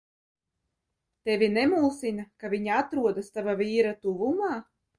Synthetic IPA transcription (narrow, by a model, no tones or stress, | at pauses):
t̪evʲinemuːsinakavʲiɲaat̪ɾuɔd̪ast̪avaviːɾat̪uvumaː